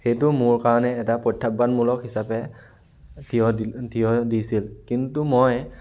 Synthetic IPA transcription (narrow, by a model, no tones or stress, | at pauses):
xejtʊmʊɹkaɹɔnɛːtapɹɔtʰːap̚banmulɔkhisapɛ | tʰijɔtʰijɔdisilkintumoj